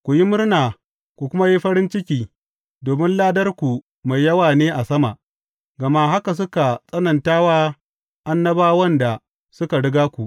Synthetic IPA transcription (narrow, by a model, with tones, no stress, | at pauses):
kʷu˨ji˦mʊ˦rnaː˨ | kʷu˨kʷʊ˦ma˦ji˦ɸɐ˦ɾɪ˦nt͡ʃɪ˦kʲiː˦ | doː˨mɪ˦nlaː˦dɐ˦rkʷu˨ | ma˨jːɐ˦waː˨neː˦ʔa˨sɐ˦ma˨ʔ | ɡɐ˨ma˦ɦa˦ka˨s̬ʊ˦ka˨sʼɐ˦nɐ˨ntaː˦waː˦ | ʔa˦nːɐ˦baː˦wɐ˦nda˨ | sʊ˦ka˨ɽɪ˦ɡaː˦kʷu˨ʔ